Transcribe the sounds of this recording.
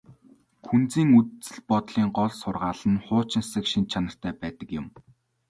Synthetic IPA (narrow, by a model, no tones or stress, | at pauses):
kʰunt͡siːŋutt͡sɘ̆ɮpɔt̪ɮiːŋɢɔɮsʊrʁaːɮə̆nχʊːt͡ɕɪ̆nsə̆kʃint̪̚t͡ɕʰanə̆r̥t̪ʰæːpæːt̪ə̆kjʊ̆m